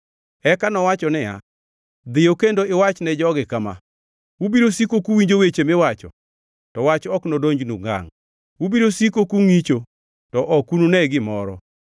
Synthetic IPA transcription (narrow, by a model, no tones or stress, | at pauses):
ɛkanɔwat͡ʃɔnɛja̰ | d̪ɪjokendoɪwat͡ʃnɛd͡ʒɔɡɪkama̰ | ubiɾosikokuwiɲd͡ʒowet͡ʃemɪwat͡ʃɔ̰ | tɔwat͡ʃɔknodoɲd͡ʒnṵŋa̰ŋ | ubiɾosikokuŋit͡ʃo | tɔʔɔkununɛɡɪmɔɾɔ